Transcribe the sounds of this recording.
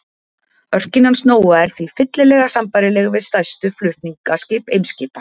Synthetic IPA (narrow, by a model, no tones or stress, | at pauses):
œr̥cɪnhansnoːwaɛɾ̥θvifɪt̪lɪlɛːɣasampajɾɪlɛɣvɪðst̪ajst̪ʏflʏht̪niŋkascɪːpejmscɪːpḁ